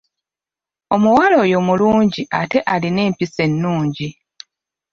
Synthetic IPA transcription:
o̞muwalo̞ːjo̞muluːɲɟiʔate̞ʔaline̞ːmpise̞nːuːɲɟi

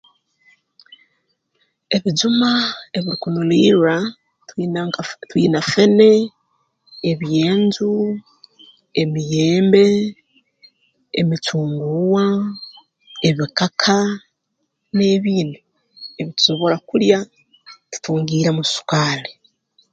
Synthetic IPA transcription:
e̞βid͡ʒumae̞βiɾikunuliːɾuɾa | twḭːnafe̞ne̞ | eβije̞ːnzu | emijeːmbe̞ | mitʰuːŋɡuwa | e̞βikakʰa | ne̞ːβiːno | eβitu̥so̞βo̞ɾakuɾja | ti̥tuːŋɡiːɾamusu̥kaːle

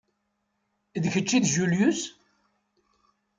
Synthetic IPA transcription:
ðçət͡ʃːiðʒuljus

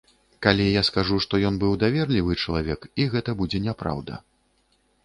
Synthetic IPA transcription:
kalʲijaskaʐuʂt̪ɔjɔnbɨwd̪avʲɛrlʲivɨt͡ʂɐlˠavʲɛkiɣɛt̪ɐbud͡zʲɛnʲɛpɾa̰wd̪ɐ̰

